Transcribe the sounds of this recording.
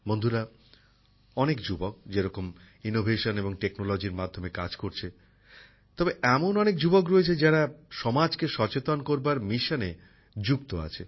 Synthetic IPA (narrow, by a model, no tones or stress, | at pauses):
mond̪ʱuɾa | ɔnekd͡ʑubok̚d͡ʑeɾɔkom | inobʱeʃoneboŋʈeknolod͡ʑiɾmad̪ʱːomekad͡ʑkoɾt͡ɕʰe | t̪ɔbeʔɛmonɔnek̚d͡ʑubokɾoet͡ɕʰed͡ʑaɽaʃɔmad͡ʑkeʃɔt͡ɕet̪onkoɾbaɾmiʃane | d͡ʑukt̪oa̰t͡ɕʰe